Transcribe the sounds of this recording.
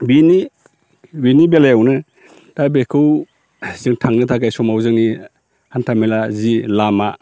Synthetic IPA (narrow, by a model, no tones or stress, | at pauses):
bini | binibelajawnɯ | tabekʰɯw | sɯŋtʰaŋnɯtʰakajsɔmawzɯŋni | hantʰamelazilama